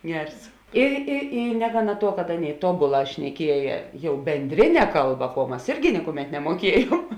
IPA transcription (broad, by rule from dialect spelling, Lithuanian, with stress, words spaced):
ˈɡʲɛrs ɪ ɪ ˈiː ˈnʲæːɡɐˌnɐ ˈtuɔ kɐt ˈɑːˌnʲeːɪ ˈtoːbʊˌlˠɑː ʃʲnʲɛˈkʲiɛjɛ ˈjɛʊ bʲɛnʲdʲˈrʲɪnʲɛ ˈkɐlˠˌbɐ kuɔ ˈmɐs ˈɪrʲɡʲɪ ˈnʲɪkʊˌmʲɛt nʲɛmuɔˈkʲiɛjuɔm